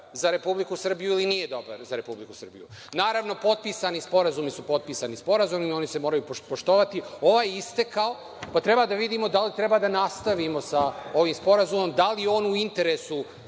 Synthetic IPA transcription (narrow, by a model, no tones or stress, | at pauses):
zaɾe̞publikusr̩bijuilinije̞d̪o̞ba̰ɾzaɾe̞publikusr̩bḭjṵnaːɾaʋno̞po̞t̪̚piːsanispo̞ɾazumisupo̞t̪̚piːsanispo̞ɾazumio̞nise̞moɾajuppoʃt̪o̞ʋat̪io̞ʋaːjist̪e̞kao | pat̪ɾe̞baːd̪aʋid̪iːmo̞d̪alit̪ɾe̞baːd̪anast̪aʋimo̞sao̞ʋiːmspo̞ɾazumo̞md̪alio̞ːnuint̪e̞ɾesu